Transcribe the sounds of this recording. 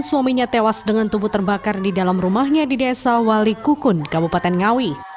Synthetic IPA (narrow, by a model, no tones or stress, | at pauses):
nsuamiɲat̪ewasdəŋant̪ubʊt̪ːərbakardidalamrumahɲadidesawalikukʊnkabupat̪ɛnŋawi